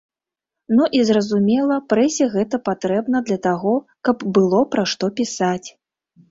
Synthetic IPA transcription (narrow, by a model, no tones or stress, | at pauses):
nuʔizrɐzumʲɛlˠɐpɾɛsʲɛɣɛt̪ɐpat̪ɾɛbnɐd̪lʲɐt̪aɣɔkɐbbɨlˠɔpɾaʂt̪ɔpʲisat͡sʲ